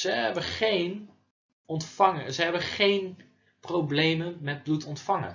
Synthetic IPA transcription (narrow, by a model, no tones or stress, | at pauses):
zəɦɛbəχejn | ɔntfaŋəzəɦɛbəχejn | prowblejmənmɛt̚blutɔntfaŋə̰